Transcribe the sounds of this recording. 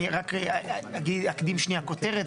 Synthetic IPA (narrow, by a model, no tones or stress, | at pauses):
iʁakeaɡid̪akd̪imʃniako̞t̪e̞ʁet̪